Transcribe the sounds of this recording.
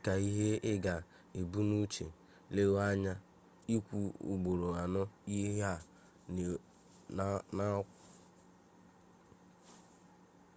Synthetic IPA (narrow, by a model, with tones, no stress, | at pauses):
ka˨i˦ɦe˦ɪ˦ɡa˨ | e˨bu˦nu˦t͡ʃe˨ | le˦wa˦ɲa˦ | i˦kʷu˦ṵ˨ɡ͡bo˨ɾo˨a˨nʊ˦i˦ɦa˦˨ | n˨ | na˦kʷ